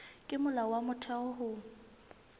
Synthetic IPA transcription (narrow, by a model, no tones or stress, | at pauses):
kʼɪmʊlawamʊtʰɛɔɦʊ